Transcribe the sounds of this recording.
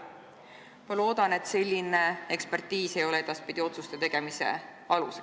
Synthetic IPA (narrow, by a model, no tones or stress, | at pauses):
mɑlo̞ːd̪̥ɑne̞t̪se̞lʲːine̞e̞kspe̞rt̪ːiːse̞jo̞le̞e̞d̪̥ɑspid̪̥ʲio̞t̪sust̪e̞t̪e̞ɡ̥e̞mise̞̰ | ɑluse